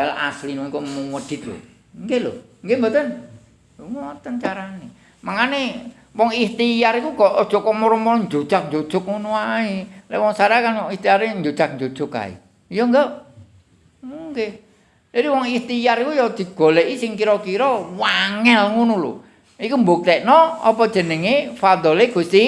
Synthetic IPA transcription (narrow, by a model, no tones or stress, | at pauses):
ala̰slinwɔŋkɔmuŋəd̪̥ɪ̤t̪̚lo̰ | ŋɡelo̰ŋɡembat̪ən | uŋot̪ənt͡ʃaɾane | maŋane | wɔŋist̪ijaɾikuɡ̥ɔʔɔd̥ʒ̥ɔ̤kɔmɔɾɔmɔɾɔɲd͡ʒod̥ʒ̥ak̚ɲd͡ʒo̥ʒ̥ʊk̚ŋunuailḛwɔŋsaɾakanwɔŋist̪iaɾeɲd͡ʒod̥ak̚ɲd͡ʒo̥ʒ̥ʊka̰ḭ | jɔŋɡa | uŋɡe̥ | d͡ʒ̥adiwɔŋist̪ijaɾikujɔd̪̥i̤ɡ̥o̤leʔisɪŋkiɾɔkiɾɔwaŋɛlŋunulṵ | ikumbok̚t̪ɛʔnɔɔpɔd̥ʒ̥ə̤nəŋefad̪ɔleɡ̥ust̪i